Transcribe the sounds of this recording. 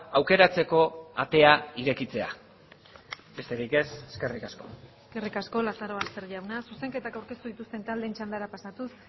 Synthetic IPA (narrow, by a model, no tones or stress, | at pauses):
awke̞ɾat͡se̞ko̞at̪e̞aiɾe̞kit͡se̞a̰ | be̞st̪eɾijke̞se̥ske̞rikasko̞̥eske̞rikasko̞lasaɾo̞ast̪eɾʎawnasuse̞ŋke̞t̪akawɾke̞st̪uðit̪ust̪e̞nt̪ald̪e̞nt͡ʃand̪aɾapasat̪us